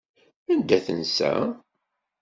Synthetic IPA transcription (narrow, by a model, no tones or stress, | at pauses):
ænd̪æθənsæ̰